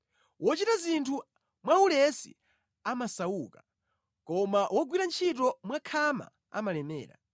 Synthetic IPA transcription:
wɔt͡ʃitazintʰu | mwaulɛsḭ | amasauːka | kɔmawʔɔɡwiɾant͡ʃʰitɔmwakʰama̰ | a̰malɛmɛ̰ːɾa̰

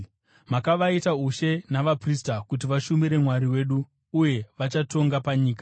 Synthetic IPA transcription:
makaʋaitauʃe̞naʋapristakut̬iʋaʃumiɾe̞mwaɾiwe̞ːɗu | uje̞ʋat͡ʃato̞ŋɡapaɲiːkḁ

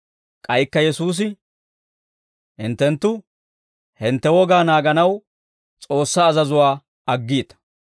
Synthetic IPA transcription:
kʼɐjkːɐjɛsuːs̬ɪ | hɪnt̪ːɛnt̪ːʊ | hɪnt̪ːɛwɔɡaːnaːɡɐnɐw | t͡sʼo̞ːsːaːzɐzʊwaː | ɐɡːiːt̪ɐ̥

